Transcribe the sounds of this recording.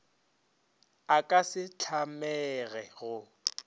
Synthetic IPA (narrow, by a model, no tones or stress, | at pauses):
akʼasɪt͡ɬʰamɛɣɛɣʊ